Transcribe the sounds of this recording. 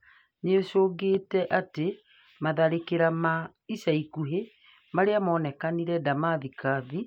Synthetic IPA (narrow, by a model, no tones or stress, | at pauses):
neoʃoːɡeːtɛʔate | maðaɾekeɾama | isaikuɦe | maɾeamɔːnɛkaniɾɛdamaðikaði